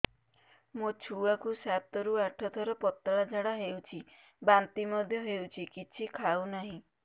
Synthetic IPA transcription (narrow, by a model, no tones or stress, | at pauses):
mot͡ʃʰuakusat̪ɔɾuaʈʰɔt̪ʰɔɾɔpɔt̪ːɭad͡ʒʱaɽaɦewt͡ʃʰi | bant̪imɔd̪ʱjɔɦewt͡ʃʰikit͡ʃʰikʰaunaɦĩ